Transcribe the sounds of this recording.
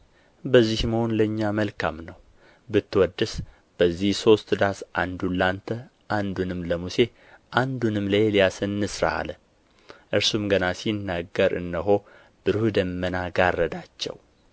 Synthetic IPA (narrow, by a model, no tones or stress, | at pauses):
bəzːihməho̞nləɨɲːaməlkʰa̰mnəw | bɨt̪ːɨwɔd̪ːɨs | b̥əzːihso̞st̪d̪asʔa̰nd̪ulːant̪ʰə | ʔand̪unɨmləmuse̞ | ʔand̪unɨmləjlijasənːɨsɾa̰a̰lə | ʔɨɾsumɡənasinːaɡəɾʔɨ̰nːəɦo̞ | b̥ɨɾhud̪əmːənaɡarːəd̪at͡ʃːɛ̰w